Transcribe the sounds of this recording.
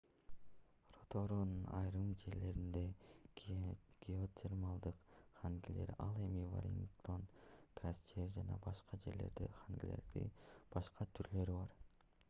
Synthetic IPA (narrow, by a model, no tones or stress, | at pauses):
ro̞t̪ʰoɾonnɑjɾɯmd͡ʒe̞ɾle̞ɾind̪e | ɡ̥ʲio̞t̪ʲʰermalˠd̪ɯqχaŋɡile̞̰ɾɑlˠe̞mivo̰ɾʲiŋt̪o̞nkrast͡ʃeɾd͡ʒɑnɑbɑʃqɑd͡ʒe̞ɾle̞ɾd̪ḛχaŋɡile̞̰ɾd̪ḭb̥ɑʃqɑt̪ʰyɾlø̞ɾibɑɾ